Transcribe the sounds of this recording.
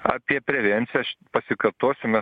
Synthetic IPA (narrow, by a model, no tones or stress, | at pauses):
ɐ̰ːpʲiɛpʲɾʲɛʋʲɛnʲt̪sʲɪjɛʃpɐsʲɪkɐrt̪oːsʲʊmʲɛ